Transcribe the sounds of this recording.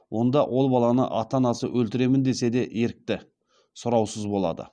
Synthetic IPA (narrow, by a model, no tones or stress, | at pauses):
wʔo̞nd̪ɑwʔo̞lˠbɑlˠɑnə̰ʔɑt̪ɑnɑsəʔɵlt̪ɪɾe̞mɪnd̪e̞se̞d̪e̞ʔje̞ɾɪk̚t̪ɪ | sʊɾɑwsəzbo̞lˠɑ̰d̪ə̰